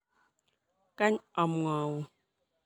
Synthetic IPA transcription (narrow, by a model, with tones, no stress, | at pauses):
ka˦ɲɔ˨m˨ŋɔ˨wu˦˨